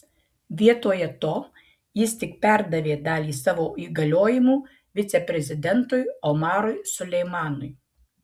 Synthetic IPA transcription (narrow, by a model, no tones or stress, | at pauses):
ʋʲiɛt̪oːjɛt̪oː | jɪst̪ʲɪk̚pʲæˑɾd̪ɐʋʲeːd̪ɑːlʲiːsɑːʋoːiːɡɐlʲoːjɪmuː | ʋʲɪt̪sʲɛpʲɾʲɛzʲɪd̪ʲɛnt̪ʊɪɔmɑːɾʊɪsʊlʲɛɪmɑːnʊɪ